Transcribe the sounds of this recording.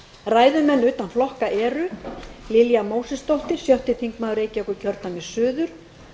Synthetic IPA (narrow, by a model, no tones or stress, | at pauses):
raːjðʏmɛnːʏːt̪anflɔhkaʔɛːɾʏlɪljamoːwsɛst̪owht̪ɪɾ̥sjœwht̪ɪθiŋkmaːðʏɾeːjcɪɔkʏcʰœɾt̪nanmɪsʏːðʏɾ̥